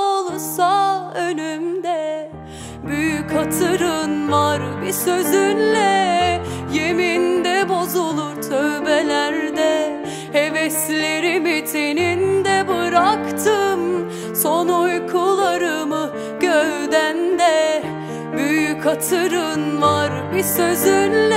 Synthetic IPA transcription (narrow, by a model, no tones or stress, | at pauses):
olˠusaønymd̪ɛ | byjykʰat̪ʰɯɾɯnvaɾbisøzynlɛ | jemind̪ɛbo̞zulˠuɾt̪ʰøvbɛlʲæɾd̪ɛ | hevɛslʲeɾimit̪ʰenind̪ɛbɯɾakt̪ʰɯm | sonojkʰulˠaɾɯmɯ | ɟ̥øvd̪ænd̪ɛ | byjykʰat̪ʰɯɾɯnvaɾbisøzynlɛ